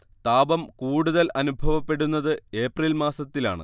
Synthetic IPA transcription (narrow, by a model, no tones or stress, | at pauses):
t̪aːbɐmkuːɽuðɐlʔɐnubʱɐʋɐpːe̞ɽunːɐðɨe̞ːpriːlmaːsɐt̪ːila̰ːɳɨ̰